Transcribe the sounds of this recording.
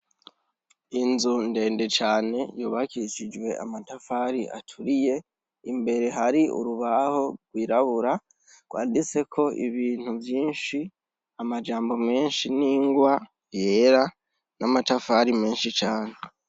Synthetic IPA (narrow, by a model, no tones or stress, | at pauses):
inzunde̞ːnde̞t͡ʃaːne̞juːβakiʃid͡ʒwe̞a̰matafaɾiʔa̰tʰuɾije̞ | imbe̞ɾe̞ɦaɾiʔṵɾuβaho̞ɡ̥wiːɾaβuɾa | ɡ̥waːndit͡se̞kʰo̞ʔḭβiːn̥uvjiːnʃi | amad͡ʒaːmbo̞me̞ːnʃiniːŋɡwa | je̞ɾa | namatafaɾime̞ːnʃit͡ʃaːne̞